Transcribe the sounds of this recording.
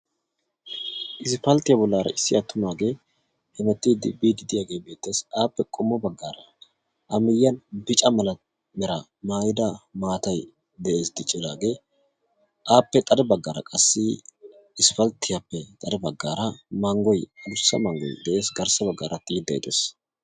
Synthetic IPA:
ʔɪsɪfɐlt̪ɪjɐbɔlːaːɾɐ̰ʔɪsːɪʔɐt̪ːʊmaːɡe̞ː | hɛmɛt̪ːɪd̪ɪbːiːd̪ɪd̪ɪjaːɡe̞ːbe̞ːt̪ːe̞ːsaːpːɛkʼɔmːɔbɐɡːaːɾɐ | ʔɐmɪjːɐnbɪt͡ʃʼɐmɐlɐ | mɛɾɐ | maːjɪd̪ɐmaːt̪ɐj | d̪ɛʔe̞ːsd̪ɪt͡ʃʼːɪlaːɡe̞ː | ʔaːpːɛt̪ʼɐd̪ɛbɐɡːaːɾɐ̰kʼɐsːɪ | ɪsfɐlt̪ːɪjɐpːɛt̪ʼɐd̪ɛbɐɡːaːɾɐmɐŋɡɔjɐd̪ʊsːɐmɐŋɡɔ̰jd̪ɛʔe̞ːsɡɐɾsɐbɐɡːa̰ːɾɐt̪ːɪjɪd̪ɐjɪt̪ʼḛːs

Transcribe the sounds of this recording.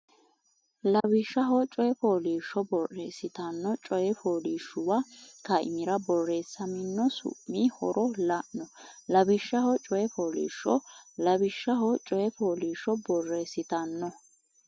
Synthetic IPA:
lɐbɪʃːɐɦɔt͡ʃʼɔjɛfoːliːʃːɔbɔrːeːsɪt̪ɐnːɔt͡ʃʼɔjɛfoːliːʃʊwɐkɐʔɪ̰mɪɾɐbɔrːe̞ːsːɐmɪnːɔsʊ̰ʔːihɔɾɔlɐʔnɔlɐbɪʃːɐhɔt͡ʃʼɔjɛfoːlḭːʃːɔlɐbɪʃːɐɦɔt͡ʃʼɔjɛfoːliːʃːɔbɔrːeːsɪt̪ɐnːɔ

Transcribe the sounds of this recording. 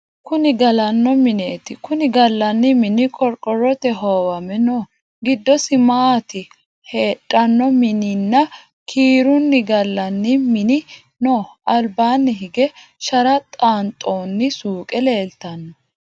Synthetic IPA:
kʊnɪɡɐlɐnːɔmɪneːt̪ɪkʊnɪɡɐlːɐnːɪmɪnɪkʼɔɾkʼɔɾɔt̪ɛɦoːwɐmɛnoː | ɡɪd̪ːɔsɪmaːt̪ɪ | heːᶑʼːɐnːɔmɪnɪnːɐ | kʰiːɾʊnːɪɡɐlːɐnːɪmɪnɪ | noːʔɐlbaːnːɪɦɪɡɛʃɐɾɐt̪ʼaːnt̪ʼoːnːɪsuːkʼɛle̞ːlt̪ɐnːɔ

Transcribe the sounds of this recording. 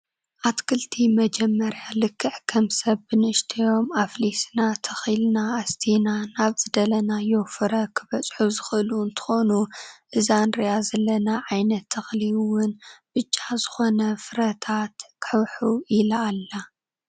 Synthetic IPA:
ʔat̪kʰɨlt̪ʰimɐd͡ʒɛmːɐɾjalɨkʰːɨħkʰɐmsɐβːɨnɨɨʃt̪ʰijo̞maflisnat̪ʰɐxilnaːst̪ʰinanaβzɨd̪ɐlɐnajo̞fɨɾɐkʰɨβɐt͡sʼħuzɨxɨlunt̪ʰɨ̥xo̞nuʔɨzanɾijazɐlɐnaʕajnɐt̪ʰːɐxliwʊnb̥ɨt͡ʃʼːazɨxo̞nɐfɨɾɐt̪ʰat̪kʰħɨwħuɪlaːlːa

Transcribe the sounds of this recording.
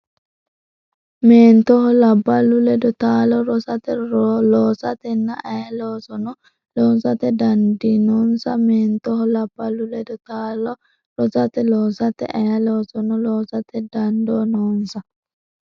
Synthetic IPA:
meːnt̪ɔhɔlɐbːalulɛd̪ɔt̪aːlɔɾɔsat̪ɛlɔːsɐt̪ɛnːaʔɐjɐloːsɔnɔ | lɔːnsat̪ɛd̪ɐnd̪inɔnsɐmeːnt̪ɔhɔlɐbːalulɛd̪ɔt̪alɔ | ɾɔsat̪ɛloːsɐt̪ɛ̰ʔɐjɐloːsɔnɔloːsat̪ɛd̪ɐnd̪oːnɔːnsɐ

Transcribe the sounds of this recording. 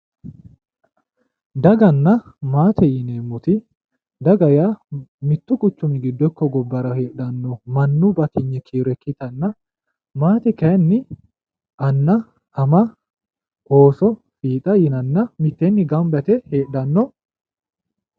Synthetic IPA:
d̪ɐɡɐnːɐ | maːt̪ʰɛjɪneːmːʊt̪ɪ | d̪ɐɡɐjaːmɪt̪ːʊkʼʊt͡ʃːʊmɪɡɪd̪ːɔkːɔɡɔbːɐɾɐheːɗːɐnːɔmɐnːubɐt̪ɪɲːɛkʰiːɾɛkːɪt̪ɐnːɐ | maːt̪ɛkɐnːɪ | ʔɐnːɐ | ɐmɐ | oːsɔ | fiːt̪ʼɐjɪnɐnːɐmɪt̪ːenːɪɡɐmbɐt̪ɛheːᶑɐnːɔ

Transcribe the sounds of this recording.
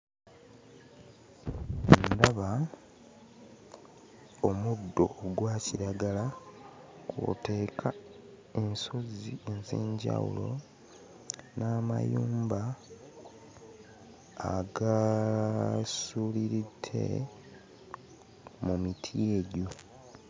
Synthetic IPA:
ndaβa | omudːo̞ɡwaːciɾaɡala | ko̰te̞ːkʰa | e̞nso̞zienzeːɲɟa̰wṵlo̞̰ | naːma̰juːmba | ɡa | suliɾitʰːe̞̰ | mumitʰieɟo

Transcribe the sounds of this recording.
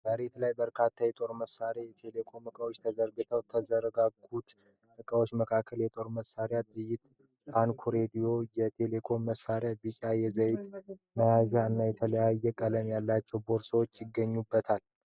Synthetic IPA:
b̥əɾet̪lajbəɾkʰat̪ʰːajɛt̪ʼo̞ɾməsːaɾjajɛt̪ʰe̞lekʰo̞mɨkʼəwot͡ʃːt̪ʰəzəɾɡɨt̪ʰəwt̪ʰəzəɾɡaɡut̪ | ʔɨkʼəwo̞t͡ʃːməkʰakʰːəljɛt̪ʼo̞ɾməsːaɾjat̪ʼɨjɪt̪ | ankʰuɾed̪ijo̞jɛt̪ʰe̞le̞kʰo̞mːəsːaɾjabɨt͡ʃʼajɛzəjt̪məjazaɨnːajɛt̪ʰələjajːɛkʼələmjalːat͡ʃːɛwbo̞ɾsəwot͡ʃːjɪɡːəɲːubːət̪ʰal

